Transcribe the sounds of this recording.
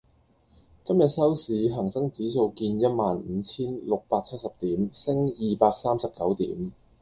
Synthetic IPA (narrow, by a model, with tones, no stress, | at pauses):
kɐ˥mjɐ˨t̚sɐ˥wsiː˨˥ɦɐ˨˩ŋsɐ˥ŋt͡siː˨˥so˧wkiː˧njɐ˥t̚maː˨n̩ː˨˧t͡sʰiː˥nlʊ˨k̚paː˧k̚t͡sʰɐ˥t̚sɐ˨p̚t̪iː˨˥msɪ˥ŋjiː˨paː˧k̚saː˥msɐ˨p̚kɐ˨˥wt̪ḭː˨˥m